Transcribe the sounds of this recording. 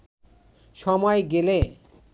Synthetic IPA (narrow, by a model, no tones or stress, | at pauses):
ʃɔmɔeɡele